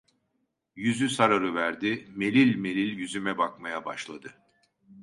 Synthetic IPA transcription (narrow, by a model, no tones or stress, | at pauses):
jyzysaɾaɾɯvæɾd̪ime̞lʲilʲme̞lʲilʲjyzymɛbakmajaba̰ʃlˠad̪ɯ